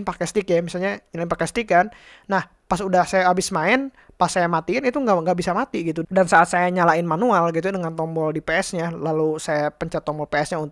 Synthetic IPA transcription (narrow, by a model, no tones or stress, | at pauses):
npakɛst̪ɪkjamisalɲaɲəlaɪnpakɛst̪ikanː | ah | pasudahsajaːbɪsmaɪn | pasːajamat̪iɪnit̪uŋaŋɡaʔbisamat̪iɡit̪udansaʔat̪̚sajaɲalaɪnmanualɡit̪̬udəŋant̪ɔmbɔldipɛɛsɲalalusajapəɲt͡ʃat̪ːɔmbɔlpɛɛsɲaunt̪